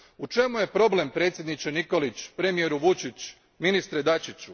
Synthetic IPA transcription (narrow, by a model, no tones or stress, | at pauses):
ut͡ʃe̞muje̞pɾo̞ble̞mpɾe̞ːt̪sʲje̞d̪nit͡ɕeniko̞lit͡ɕpɾe̞mijeɾuʋut͡ʃit͡ɕ | minist̪ɾed̪at͡ʃit͡ɕu